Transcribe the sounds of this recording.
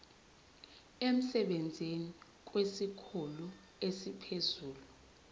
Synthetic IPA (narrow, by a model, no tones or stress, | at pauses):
em̩sɛɓend͡zʱini | k̬ʼwesikʰulu | esipʰezuːlu